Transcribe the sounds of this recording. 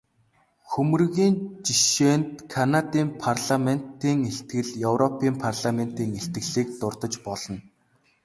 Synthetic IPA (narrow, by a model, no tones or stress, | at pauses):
xɵmɵ̆rɣiːnt͡ɕiʃeːnt̪kʰanat̪iːmpʰarɮamen̥t̪iːŋeɬt̪̚ɡɘ̆ɮjɵwɾɔpʰiːmpʰarɮamen̥t̪iːŋeɬt̪ɡɘ̆ɮiːk̚t̪ʊrt̪ə̆t͡ɕpɔɮɞ̆n